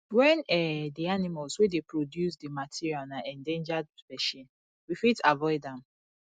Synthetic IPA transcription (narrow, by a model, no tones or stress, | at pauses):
wɛ̃nɛdianimalswedepɹodjusdimatʰiɹialnaʔɛ̃ndẽnd͡ʒadfɛʃĩn | wifitavɔɪdɛ̃m